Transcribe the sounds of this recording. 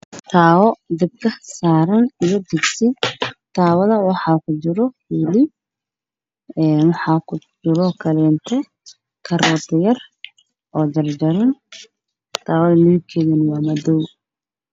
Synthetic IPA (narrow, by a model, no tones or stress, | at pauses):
t̪ʰaːwɔd̪ɪb̚kʰɐsaːɾɐnijɔd̪ɪɡsɪt̪ʰaːwɐðɐwɑħɑːkʰʊd͡ʒɪɾɔ | ɪlɪ | ɛːnwɑħɑːkʰʊd͡ʒɪɾɔkʰɐlɛnt̪ʰɛ | kʰɐɾɔːd̪ʰɪjɐr | ʔɔːd͡ʒɐrd͡ʒɐɾɐn | t̪ʰaːwɔðɐmikʰɛɣɪnwɑːmɐd̪ɔw